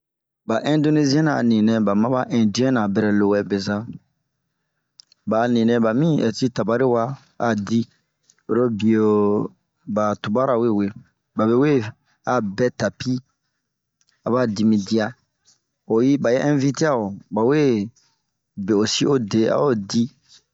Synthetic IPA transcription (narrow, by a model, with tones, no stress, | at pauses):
ba˨ʔɛ̃˦ndo˦ne˦zi˦ɛ̃˦nã˨nĩ˨nɛ̃˨ba˨mã˦ba˦ʔɛ̃˨di˦ɛ̃˦nã˨bɛ˨ɾɛ˨lo˨wɛ˨be˨za˦ | ba˨nĩ˨nɛ̃˨ba˨mĩ˦ɛ˨ti˦ta˨ba˦ɾi˦wa˦ | a˨di˦ | o˨ɾo˦bi˨o˨ | ba˨tu˨ba˦ɾa˨we˦˨we˨ | ba˨βe˦we˦ | a˨bɛ˦ta˨pi˦ | a˨ba˦di˨mĩ˨di˦a˦ | o˨ji˦ba˨je˦ʔɛ̃˦vi˦te˦a˦˨o˨ba˨we˦ | be˨o˨si˦ʔo˦de˨a̰˨˦o˦˨di˦